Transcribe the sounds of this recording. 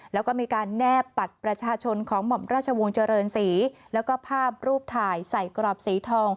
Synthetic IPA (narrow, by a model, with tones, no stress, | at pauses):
lɛː˦˥wkɔː˥˩miː˧kaː˧nːɛː˥˩pːa˨˩t̪̚pɾa˧t͡ɕʰaː˧t͡ɕʰo˧nkʰɔː˩˦ŋmɔ˨˩mɾaː˥˩t̪̚t͡ɕʰa˧wo˧ŋt͡ɕa˧ɾɤː˧nsiː˩˦lɛ˦˥wkɔː˥˩pʰaː˥˩p̚ɾuː˥˩p̚t̪ʰaː˧˩jsa˨˩jkɾɔː˨˩p̚siː˩˦t̪ʰɔː˧ŋ